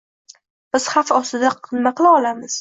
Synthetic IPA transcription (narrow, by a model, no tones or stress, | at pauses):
b̥ɪz̥hafɒst̪ɪd̪aqʰɨnmaqɨlˠaɒlamɪz̥